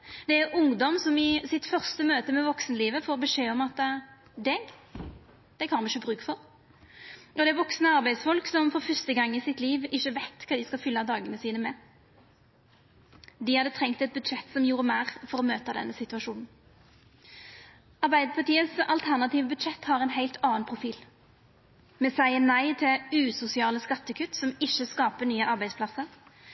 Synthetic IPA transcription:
d̪ɛæɾʊŋd̪ɔmsɔmɪsɪt̪fœʁst̪əmøːt̪əmɛʋɔksnəliːʋəfɔːʁbəʂeːɔmɑt̪ | d̪ɛɡ | d̪̥ɛkʰɑnmɪçəbʁʉːkfɔɾ | ɔd̪ɛæʋɔksnəɑɾbæɪsfɔlksɔmfɔʁfʏst̪əɡɑŋːɪsɪt̪liːʋɪçːəʋæɪt̪kʰɑːd̪ɪskɑfʏlːɑd̪ɑːɡənəsiːnəmɛ | d̪ɪhɑd̪ət̪ʰʁɛŋk̚t̪ɛt̪̚bʉd̪ʃɛt̪ːsɔmjuːɾəmæːʁfɔʁɔmøːt̪ɑd̪ɛ̰nːəsɪt̪ʉɑʂuːnn̩ | ɑʁbæɪd̪əpʰɑʈ̪iːəsɑlt̪ʰæʁnɑt̪iːʋəbʉd̪ʃɛt̪ːhɑʁɛnɦæɪlt̪ʰɑːnpʰʁʊfiːl | mɛsæɪənæɪt̪ʰɪlʉːsʊsɪɑːləskɑt̪ːəkʰʉt̪ːsɔmɪʃːəskɑːpənyːəʔɑʁbæɪd̪spʰlɑsəʁ

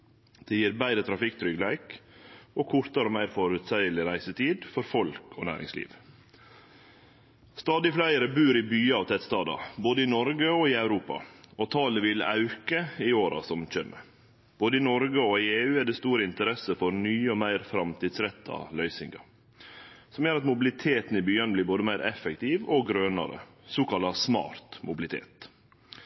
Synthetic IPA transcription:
d̪̥ɛjiːɾbæɪɾət̪ʰɾɑfɪkt̪ʰɾʏɡlæɪkoːkʰʊɾt̪ɑɾoːmæɪɾfɔɾʉt̪sæɪəlɪɾæɪsət̪ʰiːd̪fɔɾfɔlkʰo̰ːnæ̰ːɾɪ̰ŋslḭːʋ | st̪ɑːd̪ɪflæɪɾəbʉːɾɪbyːɑːʋt̪ʰɛt̪st̪ɑːd̪ɑ̰boːd̪əɪnɔɾɡəoːɪɑʉɾuːpɑ̰ot̪ʰɑːləʋɪlɑ̰ʉkəɪoːɾɑ̰sɔmc͡çɛmːə̰ | b̥oːd̪əɪnɔɾɡəɔɪeːʉːæd̪ɛst̪uːɾəɪnt̪əɾɛsəfɔɾnyːəɔmæɪɾfɾɑmt̪ʰiːd̪sɾɛt̪ʰːɑ̰lœʏsɪ̰ŋɡɑ̰ | sɔmjøːɾɑt̪mʊbɪlɪt̪ʰeːt̪n̩ɪbyːɑnəblɪːɾboːd̪əmæɪɾʔɛfɛkt̪ɪʋɔɡɾøːnɑ̰ɾə̰ | soːkɑlːɑsmɑ̰ːɾt̪mʊbɪlɪt̪ʰḛːt̪

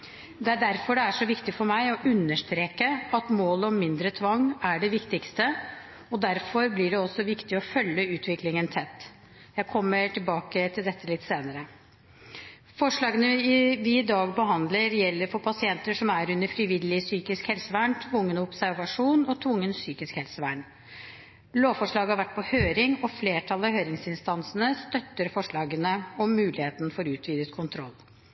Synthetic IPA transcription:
d̪ɛæɖæɾfɔɖɛæʂɔʋɪkt̪ɪfɔɾmæɪɔʔʉnːəʂt̪ɾeːkəɑt̪moːləɔmmːɪnd̪ɾət̪ʰʋɑŋːæɖɛʋɪkt̪ɪkst̪ə | ɔd̪æɾfɔɾblɪɖɛɔsːɔʋɪkt̪ɪɔfœlːəʉːt̪ʰʋɪklɪŋənt̪ʰɛt̪ː | jæɪkʰɔmːəʈʰɪlbɑːkət̪ʰɪld̪ɛt̪ːəlɪt̪ːseːnəɾə | fɔʂɭɑːɡənəɪʋɪɪd̪ɑːɡbəɦɑnd̪ləɾjɛlːəɾfɔɾpʰɑsɪɛnt̪əʂɔmæɾʉnːəɾfɾɪʋɪlɪsyːkɪskhɛlsəʋæːɳt̪ʰʋʊŋːənəʊpsæɾʋɑʂuːnɔt̪ʰʋʊŋːənsyːkɪskhɛlsəʋæːɳ | loːʋfɔʂɭɑːɡəhɑɾʋæʈ̚ːpʰɔhøːɾɪŋɔfleːʈʰɑlɑhøːɾɪŋsɪnst̪ɑnsənəst̪œt̪ːəɾfɔʂɭɑːɡənəɔmːʉːlɪheːt̪nfɔɾʉːt̪ʰʋiːd̪ət̪kʰʊnt̪ʰɾɔ̰lː

